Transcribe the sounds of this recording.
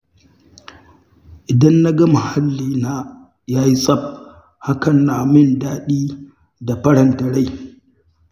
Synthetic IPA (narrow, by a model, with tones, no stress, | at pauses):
ʔɪ˨dɐ˦nːa˦ɡɐ˦mʊ˨ha˦lːiː˦naː˦ | jaː˦ji˦sʼɐ˦˨b̚ | ha˦kɐ˨nːaː˨mɪ˦˨ndaː˦ɗiː˦ | da˨ɸɐ˦ɽɐ˨ntɐ˨ɽa˦j